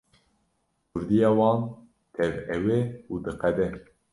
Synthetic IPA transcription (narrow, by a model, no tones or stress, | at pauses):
kʰʊɾd̪ijɑːwɑːn | t̪ʰɛvɛweud̪ɨqɛd̪ɛ